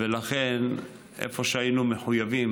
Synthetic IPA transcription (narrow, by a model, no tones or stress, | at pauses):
velaχen | ʔḛfo̞ʃeajinumeħujavim